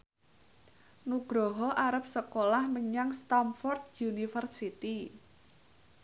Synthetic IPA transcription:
nuɡ̥ɾɔɦɔʔaɾəp̚səkolahməɲaŋst̪amfɔrt̪junifərsit̪i

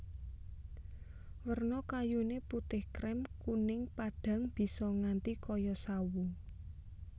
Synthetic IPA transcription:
wərnɔkajuneput̪ɪhkɾɛmkunɪŋpaɖ̥ä̤ŋb̥i̤sɔŋant̪ikɔjɔsawu

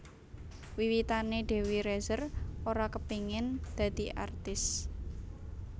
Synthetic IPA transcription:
wiwit̪aneɖ̪̥e̤wiɾɛzəroɾakəpiŋɪnd̪̥ä̤d̪̥i̤ʔa̰rt̪ɪs

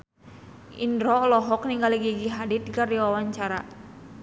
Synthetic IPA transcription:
ʔḭndɾɔlɔɦɔkniŋɡaliɡiɡiɦadit̪̚ɡardiwawaɲt͡ʃaɾa

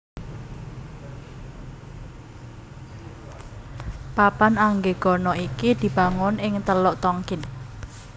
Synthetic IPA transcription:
papanaŋɡeɡ̥ɔ̤nɔikid̪̥i̤b̥ä̤ŋʊnɪŋt̪əlɔʔt̪ɔŋkɪn

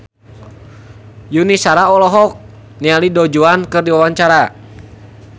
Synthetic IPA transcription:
junisaɾaɔlɔɦɔk̚ | nialidɔd͡ʒuankɨrdiwawaɲt͡ʃaɾa

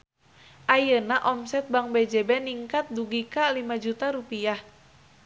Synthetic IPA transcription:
ʔajənaʔɔmsɛt̪̚baŋbɛd͡ʒɛbɛniŋkat̪̚duɡikalimad͡ʒut̪aɾupiah

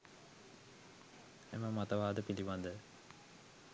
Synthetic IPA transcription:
eməmat̪əʋaːd̪əpiliʋand̪ə

